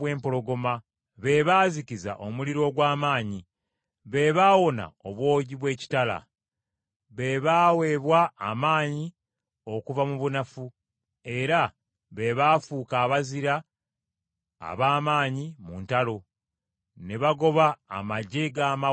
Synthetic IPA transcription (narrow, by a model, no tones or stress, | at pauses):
we̞ːmpo̞lo̞ɡo̞ma | βe̞βaːziciza̰ʔo̞muliɾo̞ːɡwaːmaːɲi | βe̞βaːwo̞na̰o̞βwo̞ːɟiβwe̞ːci̥tala̰ | βe̞βaːwe̞βwaːmaːɲi | o̞kuvamuβunafu | e̞ɾa | βe̞βaːfuːkaːβaziɾa | βaːmaːɲimuːntalo̞ | neβaɡo̞βa̰ːmaɟeɡaːma